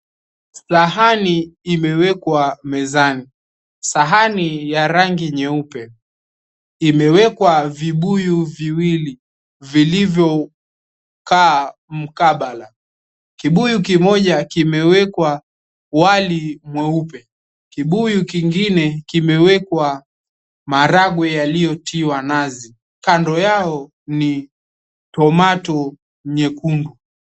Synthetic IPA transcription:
saɦaniːmɛwɛkwamɛzani | saɦanijaɾaŋɡiɲɛupɛ | imɛwɛkwaviɓujuviwili | vilivjɔ | kaːm̩kaɓala | kiɓujukimɔʄakimɛwɛkwa | walimwɛupɛ | kiɓujukiŋɡinɛkimɛwɛkwa | maɾaɡwɛjalijɔtʰiwanazi | kandɔjaɔ | ni | tɔmatɔ | ɲɛkundu

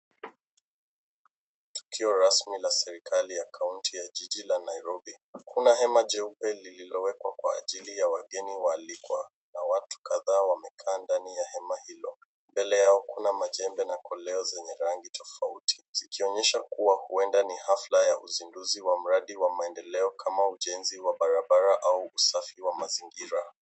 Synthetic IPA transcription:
tu̥kʰiɔɾasmilasɛɾikʰalijakʰauntʰijaʄiʄilanaiɾɔbihakʰunaɦɛmaʄɛupɛlililɔwɛkwakwaːʄilijawaɠɛniwaːlikwa̰ | nawatu̥kaðaːwamɛkʰaːndanijahɛmahilɔ | mbɛlɛjaɔkunamaʄɛmbɛnakʰɔlɛɔzɛɲɛɾaŋɡitʰɔfautʰi̥zikiɔɲɛʃakuwahuɛndanihaflajaʔuzinduziwam̩ɾaɗiwamaɛndɛlɛɔkʰamauʄɛnziwaɓaɾaɓaɾaʔauusafiwamaziŋɡiɾa

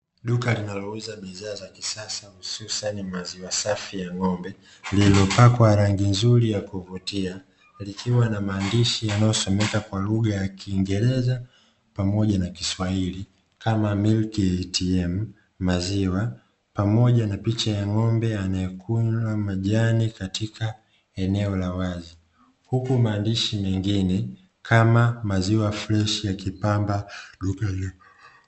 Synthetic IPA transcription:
ɗukalinalɔuzaɓiðaːzakisasahususanimaziwasafijaŋɔmbɛ | lilɔpakwaɾaŋɡinzulijakuvutia | likʰiwanamaːndiʃijanajɔsɔmɛkakwaluɠajakʰiːŋɡɛɾɛza | pamɔʄanakiswahili | kamamilktiɛm̩ː | aziwa | pamɔʄanapit͡ʃajaŋɔmbɛanaɛkʰuamaʄanikatikʰa | ɛnɛɔlawazi | hukumaːndiʃimɛŋɡinɛ | kʰamamaziwaflɛʃijakipambaɗukaju

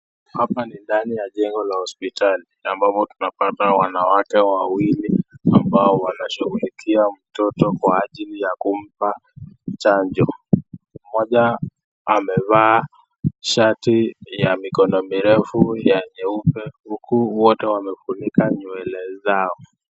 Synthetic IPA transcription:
hapanindanijaʄɛŋɡɔlahɔspitʰaliambapɔtunapatawanawakɛwawiliambaɔwanaʃuɣulikʰiam̩tɔtɔkwaːʄilijakum̩pat͡ʃaɲd͡ʒɔ | mɔʄa | amɛvaː | ʃatijamikɔnɔmiɾɛfujaɲɛupɛhukuwɔtɛwamɛfunikaɲuɛlɛzaɔ

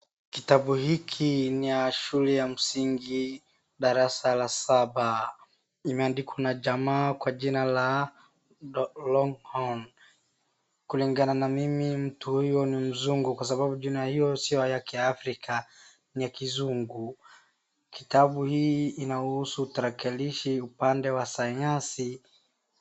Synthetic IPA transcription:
kitaɓuhikʰinijaʃulɛjam̩siŋɡi | ɗaɾasalasaɓa | imɛandikwanaʄamaːkwaʄinala | lɔŋhan | kuliŋɡananamimim̩tuhujɔnim̩zuŋɡukwas̬aɓaɓuʄunaahijɔsijɔjakɛjaːfɾikʰa | nijakizuŋɡu | kitaɓuhiːnaɔhusuːtaɾakɛliʃiupandɛwasaɲasi

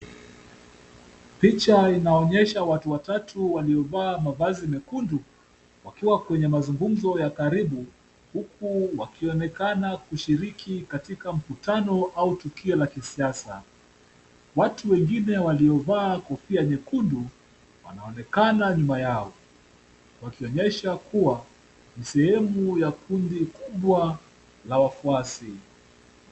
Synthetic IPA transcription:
pit͡ʃainaɔɲɛʃawatuwatatʰuwaliɔvaːmavazimɛkundu | wakiwakwɛɲɛmazuŋɡum̩zɔjakaɾiɓu | hukuwakiɔnɛkanakuʃiɾikʰikatikam̩kutanɔʔautukiɔlakisiasa | watuwɛŋɡinɛwaliɔvaːkɔfiaɲɛkundu | wa̰naɔnɛkanaɲumajaɔ | wakiɔɲɛʃakuwa | nisɛhɛmujakʰundikuɓwa | lawafuasi

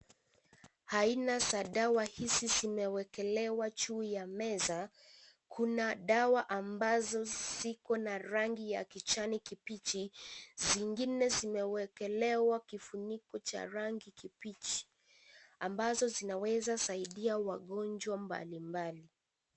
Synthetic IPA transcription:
hainasaɗawahisizimɛwɛkɛlɛwat͡ʃuːjamɛza | kʰunaɗawaʔambazɔz̥ikɔnaɾaŋɡija̰kit͡ʃanikipit͡ʃiziŋɡinɛzimɛwɛkɛlɛwakifunikɔt͡ʃa̰ɾaŋɡikipit͡ʃi̥ | ambazɔzinawɛzasaiɗiawaɠɔnd͡ʒwamba̰limbali

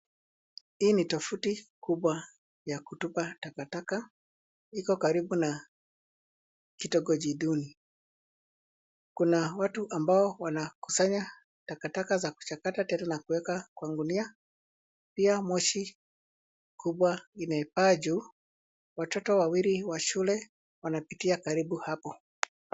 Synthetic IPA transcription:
hiːnitɔfutikuɓwa | jakutupatakataka | ikɔkaɾibuna | kitɔɡɔd͡ʒiɗuni | kunawatuʔambaɔwanaku̥saɲa | takatakazaku̥t͡ʃakatatɛnanakuwɛkakwaŋɡunia | piamɔʃi | kʰuɓwainɛpad͡ʒu | watɔtɔwawiɾiwaʃulɛ | wanapitiakaɾibuhapɔ

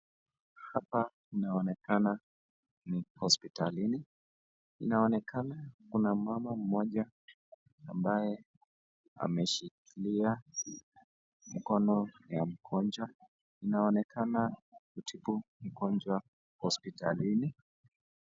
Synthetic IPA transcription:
hapa | inaɔnɛkana | nihɔspitalini | inaɔnɛkanakunamamam̩mɔʄa | ambajɛ | a̰mɛʃikʰilia | m̩kɔnɔjam̩kʰɔnd͡ʒwa | inaɔnɛkʰanakutʰipum̩kɔnd͡ʒwa | hɔspitalini

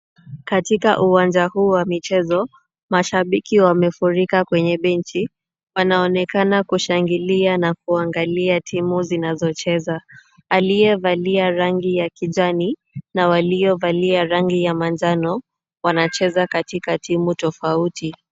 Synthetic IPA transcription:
katikaʔuwand͡ʒahuːwamit͡ʃɛzɔ | maʃaɓikiwamɛfuɾikakwɛɲɛɓɛnt͡ʃi | wanaɔnɛkanakuʃaŋɡilianak̚uaŋɡaliatʰimuzinazɔt͡ʃɛza | alijɛvaliaɾaŋɡijakiʄani | nawaliɔvaliaɾaŋɡijamand͡ʒanɔ | wanat͡ʃɛzakatikatimutɔfauti

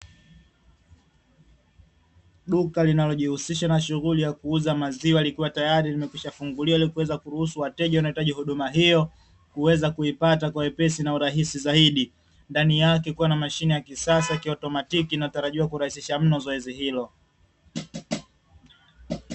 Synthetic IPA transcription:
ɗukalinalɔʄihusiʃanaʃuɣulijakuuzamaziwalikuwatajaɾilimɛkwiʃafuŋɡuliailikuwɛzakuɾuhusuwatɛʄawanaitaʄihuɗumaɦijɔ | kuwɛzakuipatakwawɛpɛsinauɾaɦisizaiɗi | ndanijakɛkuwanamaʃinijakisasakiɔtɔmatikinataɾaʄiwakuɾahisiʃam̩nɔzɔɛzihilɔ

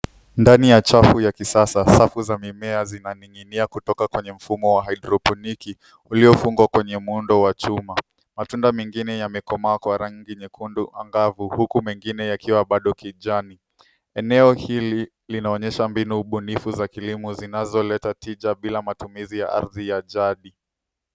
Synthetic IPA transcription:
ndanijat͡ʃafujakisasasafuzamimɛazinaniŋiniakutɔkakwɛɲɛm̩fumɔwaɦaiɗɾɔpɔniki | uliɔfuŋɡwakwɛɲɛmundɔwat͡ʃuma | matundamɛŋɡinɛjamɛkɔmaːkwaɾaŋɡiɲɛkunduʔa̰ŋɡavuhukumɛŋɡinɛjakʰiwaɓaɗɔkiʄani | ɛnɛɔhili | linaɔɲɛʃambinuːɓunifuzakilimuzinazɔlɛtatiʄaɓilamatumizija̰ʔa̰ɾðijaʄaɗi

